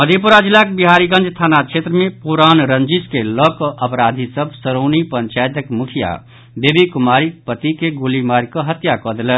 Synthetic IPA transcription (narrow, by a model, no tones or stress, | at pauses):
məd̪ʱepuɾad͡ʒilakbiɦaɾiɡə̃nd͡ʒt̪ʰanat͡ʃʰet̪ɾəmepuɾanɾənd͡ʒiskelɔkɔʔəpɾad̪ʱisəbʱsəɾonipəɲt͡ʃajt̪əkmukʰija̰ | bebikumaɾipət̪ikeɡulimaɾkɔɦət̪jakɔd̪elɛ